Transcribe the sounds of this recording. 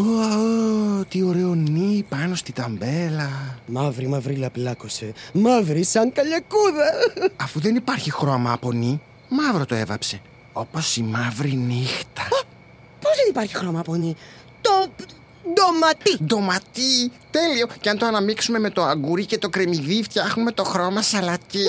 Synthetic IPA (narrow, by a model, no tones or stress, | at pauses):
oot̪io̞ɾe̞o̞nipɐno̞st̪it̪ɐmbe̞lɐmɐvɾimɐvɾilɐplɐkose̞mɐvɾisɐŋkɐʎɐkuðɐɐfuðe̞nipɐɾçixɾo̞mɐpo̞ni | mɐvɾo̞t̪o̞e̞vɐ̰pse̞ | o̞po̞simɐvɾinixt̪ɐ | po̞zðenipɐɾçixɾo̞mɐːponi | t̪o | d̪omɐt̪ind̪o̞mɐt̪it̪e̞lio̞ceɐnt̪oɐnɐmiksume̞me̞t̪o̞ɐɡuɾice̞t̪o̞kɾe̞miðift̪çɐxnume̞t̪o̞xɾo̞mɐsɐlɐc̪i